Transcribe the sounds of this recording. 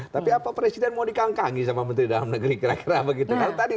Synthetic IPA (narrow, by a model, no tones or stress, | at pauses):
t̪apiapapɾesidɛnmadikaŋkaŋisamamənt̪ɾidalamnəɡɾikəɾakiɾabəɡit̪ukalat̪adi